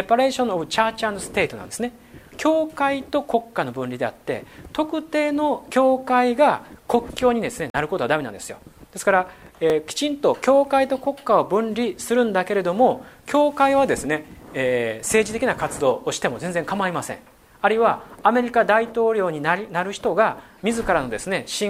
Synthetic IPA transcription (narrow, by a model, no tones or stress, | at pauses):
epaɾe̞ːɕõnobɯ̟t͡ɕaːt͡ɕãnosɨ̥t̪e̞ːt̪o̞nã̰nd̪esɨne | kʲʰo̞ːkait̪o̞ko̞kːano̞bɯ̟̃nɾʲid̪e̞a̰t̪ːe̞̰t̪o̞kɯ̟t̪e̞ːno̞kʲo̞ːkaiɡako̞kʲːo̞ːɲ̟id̪e̞sɨne̞naɾɯ̟ko̞t̪o̞ad̪amenãnd̪e̞sɨjo̞̰d̪̥e̞sɨ̥kaɾaeːkʲi̥t͡ɕĩnt̪o̞kʲo̞ːkait̪o̞ko̞kːao̞bɯ̟̃nɾʲisɨɾɯ̟̃nd̪ake̞ɾe̞d̪o̞mo̞kʲo̞ːkaiβ̞ad̪e̞sɨne̞eːse̞ːʑit̪e̞kʲinakat͡sɨd̪o̞ːɕi̥t̪e̞mo̞zẽ̞nd͡zẽ̞ŋkamaimasẽ̞̰ɴ̃ | aɾɯ̟iβaːme̞ɾʲikad̪ait̪o̞ːɾʲo̞ːɲ̟inanaɾɯ̟çi̥t̪o̞ɡa | mʲizɨkaɾano̞d̪e̞sɨne̞ɕĩ